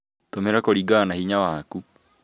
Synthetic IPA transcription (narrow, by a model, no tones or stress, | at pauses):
tomeɾakoɾiɡaːnahiɲawaku